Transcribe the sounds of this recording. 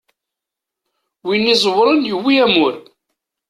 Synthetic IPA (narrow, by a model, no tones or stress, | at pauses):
winːizˤwɾˤənjəwːiæmʊɾ